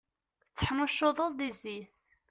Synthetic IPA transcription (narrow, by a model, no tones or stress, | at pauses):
t͡sːə̥ħməʃːoðˤəððiziθ